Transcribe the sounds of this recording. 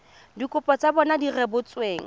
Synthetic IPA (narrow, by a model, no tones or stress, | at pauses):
dikʼʊpʼɔt͡sabɔnadirɛbʊt͡sʼweːŋ̩